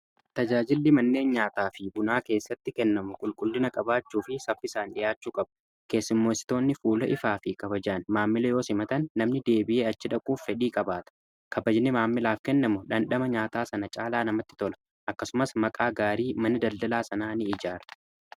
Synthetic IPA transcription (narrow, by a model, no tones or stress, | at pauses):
t̪ɐd͡ʒaːd͡ʒɪlːɪmɐnːe̞ːnɲaːt̪aːfɪbʊnaːke̞ːsːɐt̪ːɪkɛnːɐmʊkʼʊlkʼʊlːɪnɐkʼɐbaːt͡ʃːuːfɪsɐfːɪsaːnᶑɪjaːt͡ʃːuːkʼɐbʊ̥ | ke̞ːsːɪmːoːsɪ̥t̪o̞ːnːɪfuːlɐʔɪfaːfɪkɐbɐd͡ʒaːnmaːmːɪlɐjo̞ːsɪmɐt̪ɐnːɐmnɪd̪e̞ːbɪʔe̞ːɐt͡ʃːɪᶑɐkʼuːfːɛᶑiːkʼɐbaːt̪ɐ̥ | kɐbɐd͡ʒɪnːɪmaːmːɪlaːfkɛnːɐmʊᶑɐnɗɐmɐɲaːt̪aːsɐnɐt͡ʃʼaːlaːnɐmɐt̪ːɪ̥t̪ɔlɐ̥ | ʔɐkːɐsʊmɐsmɐkʼaːɡaːɾiːmɐnɪd̪ɐld̪ɐlaːsɐnaːnɪɪd͡ʒaːɾɐ̥